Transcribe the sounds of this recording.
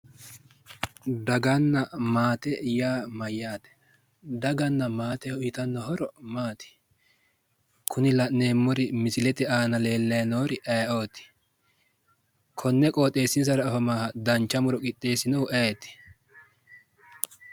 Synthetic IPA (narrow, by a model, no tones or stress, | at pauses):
d̪ɐɡɐnːɐmaːt̪ɛjaːmɐjːaːt̪ɛ̥ | d̪ɐɡɐnːɐmaːt̪ɛhʊjɪt̪ɐnːɔhɔɾɔmaːt̪ɪ̥ | kʰʊnɪlɐʔnːe̞ːmːɔɾɪmɪsɪlɛt̪ɛaːnɐle̞ːlːɐjɐnoːɾɪʔɐjʔoːt̪ːɪ̥ | kʰɔnːɛkʼoːt̪ʼːe̞ːsːɪns̬ɐɾɐːfɐmaːhɐd̪ɐnt͡ʃːɐmʊɾɔkʼɪt̪ʼːe̞ːsɪnɔwʔet̪ːɪ̥